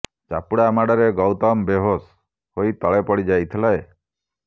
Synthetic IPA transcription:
t͡ʃa̰puɽaːmaɽɔɾeɡɔwt̪ɔmbeɦos | hoit̪ɔɭepɔɽid͡ʒajt̪ʰilae

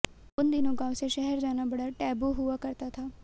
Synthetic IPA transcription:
ʊnd̪inũɡaːʋseʃɛɦɛɾd͡ʒaːnabɐɽəʈɛːboɦʊʋakɐɾt̪at̪ʰaː

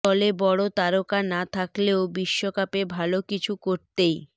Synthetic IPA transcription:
ɔlebɔɽot̪aɾokanat̪ʰakleobiʃːokapebʱalokit͡ɕʰukoɾt̪ej

